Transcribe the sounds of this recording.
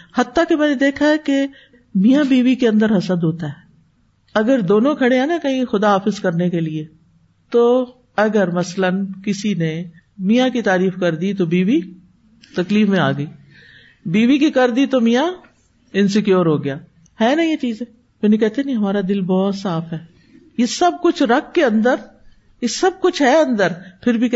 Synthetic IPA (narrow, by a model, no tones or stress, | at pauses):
hɐt̪ːakemɛ̃ːned̪eːkʰaɦɛke | mijãbiːʋikeɐ̃nd̪əɾɦɐsəd̪ɦoːt̪aɦɛː | ɐɡəɾd̪oːnõkʰɐɽeɦɛːnakɐɦĩxʊd̪aɦaːfɪzkɐɾnekelie | t̪oː | ɐɡəɾmɐslənkɪsine | mijãkit̪aːɾiːfkɐɾd̪it̪obiːʋi | t̪ɐkliːfmẽa̰ːɡɐiː | biːʋik̬ikɐɾd̪it̪omija | ɪnsekjoːɾɦoːɡɪjaː | ɦɛːnɐĩet͡ʃiːzẽː | mɛːnẽkɛɦt̪enĩɦɐmaːɾad̪ɪlbɔːt̪saːfɦɛː | jesɐb̚kʊt͡ʃʰɾɐk̚ːeɐ̃nd̪əɾ | jesɐb̚kʊt͡ʃʰɦɛɐ̃nd̪əɾpʰɪɾbʱik